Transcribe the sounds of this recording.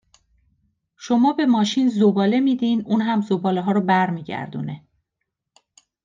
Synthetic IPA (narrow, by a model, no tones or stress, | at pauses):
ʃo̞mɒːbe̞mɒːʃiːnzobɒːle̞miːd̪iːnuːnɦæmzobɒːleɦɒːɾɔbæɾmiːɟæ̰ɾd̪ṵne̞